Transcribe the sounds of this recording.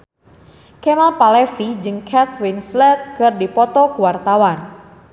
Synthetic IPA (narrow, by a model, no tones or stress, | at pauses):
kɛmalpalɛfid͡ʒɨŋkʰɛt̪winslɛt̪̚kɨrdipɔt̪ɔkuwart̪awan